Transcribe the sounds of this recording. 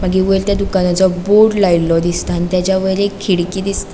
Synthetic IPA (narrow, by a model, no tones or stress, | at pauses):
maɡiʋoelt̪jad̪ukanat͡sɔboɽlailɔd̪ist̪anit̪jat͡ɕjaʋəjlekʰːiɽkiːd̪ist̪a